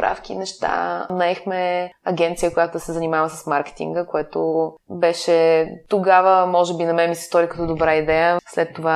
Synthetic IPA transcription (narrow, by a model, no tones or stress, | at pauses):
pɾa̰fk̟ḭnɛʃt̪a̰nɐɛxmɛɐɡʲɛnt̪sijəkojat̪ʊd̪ɐsɛzɐnimavəsɐ̥smaɾkɛ̥t̪ḭŋɡəkoɛt̪obɛʃɛt̪oɡavəmɔʒɛbinɐmɛmisɛ̥st̪ɔɾʲikɐt̪ɔd̪obɾaid̪ɛjəslɛt̪ːova